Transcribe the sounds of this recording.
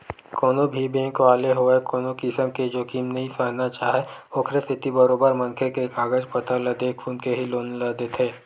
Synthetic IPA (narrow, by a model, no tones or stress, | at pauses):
koːnobʱibẽːkʋaːleɦoekoːnõkɪsəmked͡ʒoːkiːmnɐɦĩsənat͡ʃaːɦeoːkʰɾesɪt̪ibəɾoːbəɾmɐ̃nkʰekekaːɡəd͡ʒpət̪alɐd̪eːkʰfʰuːnkeɦiloːnlad̪et̪ʰeː